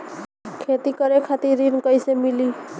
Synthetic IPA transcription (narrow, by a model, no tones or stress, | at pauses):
kʰet̪ikʌɾekʰat̪iɾinkʌjsemili